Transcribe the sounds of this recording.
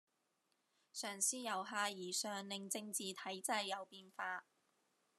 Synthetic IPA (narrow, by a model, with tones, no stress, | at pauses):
sœː˨˩ŋsiː˥jɐ˨˩wɦaː˧jiː˨˩sœː˨ŋlɪ˨ŋt͡sɪ˧ŋt͡siː˨t̪ʰɐ˨˥jt͡sɐ˧jːɐ˨˧wpiː˧nfaː˧